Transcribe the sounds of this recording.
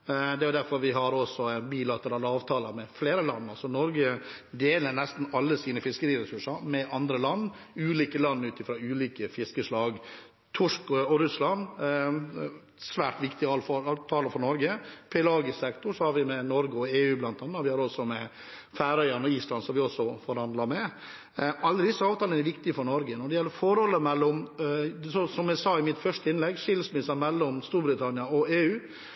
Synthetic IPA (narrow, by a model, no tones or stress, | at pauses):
d̪ɛæjʊd̪æɾfɔɾʋɪɦɑɾɔsɔæɪnbiːlɑt̪əɾɑːlɑːʋt̪ʰɑːləɾmɛfleːɾəlɑnːɑlsɔnɔɾɡə | d̪eːlənɛst̪n̩ɑlːəsiːnəfɪskəɾiːɾɛsʉʂɑɾmɛʔɑnd̪ɾəlɑnː | ʉːliːkəlɑnːʉːt̪ɪfɾɑːʉːliːkəfɪskəʂlɑːɡ | t̪ʰʊʂkɔɔɾʉslɑn | sʋæːʈʋɪkt̪ɪɑfɑt̪ʰɑːləfɔnɔɾɡəpʰɛlɑːɡəsɛkt̪ʊʂɔhɑɾʋɪmɛnɔɾɡəɔeːʉːblɑnt̪ʰɑːnːɑʋɪhɑɾɔsɔmɛ | fæːɾœʏɑnɔiːslɑnsɔmʋɪɔsɔfɔɾhɑnd̪lɑmɛ | ɑlːəd̪ɪsːəɑːʋt̪ɑːlənæɾʋɪkt̪ɪəfɔɳɔɾɡənɔɖɛjɛlːəɾfɔɾhɔlːəmɛlːɔm | sɔsɔmæsɑːɪmɪt̪fœʂʈ̪əɪnlɛɡʂɪləsmɪsɑmɛlːɔmst̪uːɾbɾɪt̪ʰɑnɪɑɔeːʉː